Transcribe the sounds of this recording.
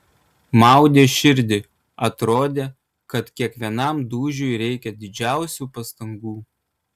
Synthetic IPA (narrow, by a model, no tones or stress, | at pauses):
mɑˑʊd̪ʲeːʃʲɪɾʲd̪ʲɪ | ɐt̪ɾoːd̪ʲeː | kɐt̪kʲiɛkʋʲiɛnɐmd̪uːʒʲʊɪɾʲɛɪkʲɛd̪ʲɪd͡ʒʲæˑʊsʲuːpɐst̪ɐŋɡuː